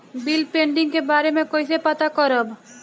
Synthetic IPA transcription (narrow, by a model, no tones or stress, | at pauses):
bɪlpẽːɳɖɪ̃ŋɡkebaːɾemẽkoːisepɐt̪akəɾəb